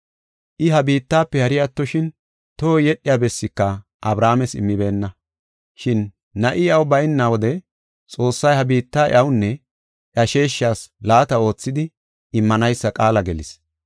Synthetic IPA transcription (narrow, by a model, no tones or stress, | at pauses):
ʔɪɦɐbiːt̪ːaːpːɛhɐɾɪjat̪ːɔʃɪn | t̪oːjɛɗːɪjaːbɛsːɪkːɐ | ʔɐbɾaːmɛsɪ̰mːɪbe̞ːnːɐ | ʃɪnː | ɐʔɪɐwbɐjɪnːawɔd̪ɛ | t͡sʼo̞ːsːɐjhɐbiːt̪ːaːʔɐwʊnːɛ | ʔɐʃe̞ːʃːaːslaːt̪ɐo̞ːt͡sːɪd̪ɪ | ɪmːɐnɐjsːɐkʼaːlɐɡɛlɪ̰s